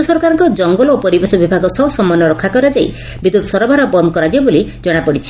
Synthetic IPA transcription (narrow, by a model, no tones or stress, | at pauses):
sɔɾkaɾɔŋkɔd͡ʒɔŋɡɔlopɔɾibesɔbibʱaɡɔsɔwsɔmɔnːɔɾɔkʰːakɔɾad͡ʒaj | bid̪ut̪sɔɾɔbʱaɾɔbɔnd̪ɔkɔɾad͡ʒabolid͡ʒɔɽ̃apɔɽit͡ʃʰi̥